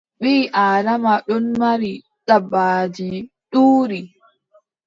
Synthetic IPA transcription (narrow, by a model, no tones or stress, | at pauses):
ɓiːʔaːɾamaɗɔnmaɾi | ɗabːaːd͡ʒi | ɗuːɾi